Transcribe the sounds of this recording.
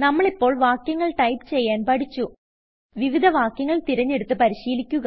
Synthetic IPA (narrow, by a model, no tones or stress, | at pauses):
nɐmːɐɭipːo̞ːɭʋaːkjɐŋːɐɭʈɐjpt͡ɕe̞jːaːnpɐɽit͡ɕːu | ʋiʋid̪ʱɐʋaːkjɐŋːɐɭt̪iɾɐɲːe̞ɽut̪ːɨpɐɾiɕiːlikʲːuɣɐ